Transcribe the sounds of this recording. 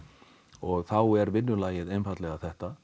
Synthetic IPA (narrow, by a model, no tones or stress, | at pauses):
ɔɣθawɛɾvɪnːʏlaːjɪðejmfat̪lɛɣaθɛht̪a